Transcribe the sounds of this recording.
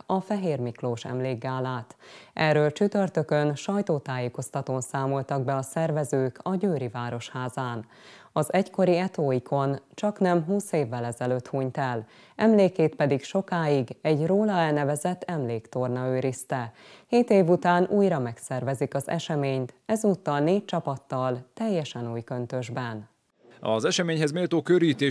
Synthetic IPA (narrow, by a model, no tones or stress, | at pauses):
ɒfɛɦeːrmikloːʃɛ̰mleːɡːaːlaːt̪ʔɛrːøːlt͡ʃyt̪ørt̪økønʃɒjt̪oːt̪aːjeːko̞st̪ɒt̪oːnsaːmo̞lt̪ɒɡ̚bɛɒsɛrvɛzøːkɒɟøːɾivaːɾo̞ʃhaːzaːn | ɒzɛcko̞ɾiɛt̪oːikʰo̞nt͡ʃɒknɛmɦuːseːvːɛlɛzɛløːt̪huːɲt̪ɛl | ʔɛmleːkeːt̪̚pɛd̪ikʃo̞kaːjiɡɛɟroːlɒɛlnɛvɛzɛt̪ːɛmleːkt̪o̞rnɒøːɾist̪ɛ | heːt̪eːvut̪aːnʔuːjɾɒmɛksɛrvɛzikɒzɛ̰ʃɛmeːɲt̪ɛzuːt̪ːɒlneːc̚t͡ʃɒpɒt̪ːɒlt̪ɛjːɛʃɛnuːjkø̞nt̪ø̞ʒbɛn | ɒzɛʃɛmeːɲhɛzmeːlt̪oːkøɾiːt̪eː